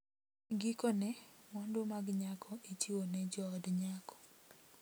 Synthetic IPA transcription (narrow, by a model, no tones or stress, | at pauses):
ɡikɔnɛmɔndomaɡɲakʰɔʔet͡ʃiwonɛd͡ʒɔɔdɲakɔ̥